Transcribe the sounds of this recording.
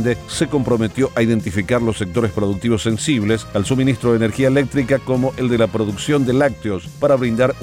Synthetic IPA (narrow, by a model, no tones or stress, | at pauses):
nd̪eseko̞mpɾo̞met̪jo̞ʔaiðe̞nt̪ifikaɾlosːek̚t̪o̞ɾespɾo̞ðuk̚t̪iβo̞sːe̞nsiβ̞lesalsuminist̪ɾoðeneɾxiaelek̚t̪ɾikako̞mo̞ʔe̞ld̪elapɾo̞ðuksjo̞nd̪elak̚t̪eospaɾaβɾind̪aɾ